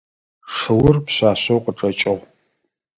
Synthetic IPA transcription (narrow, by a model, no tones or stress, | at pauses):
ʂɨwʊrpɕaːɕowqəʈ͡ʂʼɐt͡ʃʼɐʁ